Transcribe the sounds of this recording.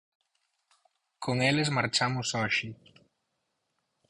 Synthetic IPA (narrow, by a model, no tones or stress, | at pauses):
kʰoŋelezmaɾt͡ʃamʊsɔʃi